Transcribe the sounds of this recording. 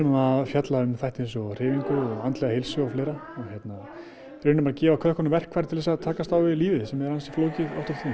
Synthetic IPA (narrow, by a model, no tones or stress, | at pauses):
naðfjat̪laʏmθajht̪ejnsɔr̥ɪːviŋkʏɔɣant̪lɛɣahejlsʏawfleːɾaɔɣçjɛt̪na | ɾʏnʏmaɾcɛːvakʰvœðhkʰɔnʏmvɛr̥kʰvajɾt̪ʰɪlðɛsat̪ʰaːkast̪awvɪliːvɪsɛmːɛðɾansi̥floːwcɪðɔ̰wft̪ʏɾt̪ʰiː